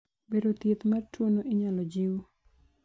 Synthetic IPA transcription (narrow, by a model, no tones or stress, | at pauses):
beɾot̪jet̪martwonoʔɪɲalɔd͡ʒiwo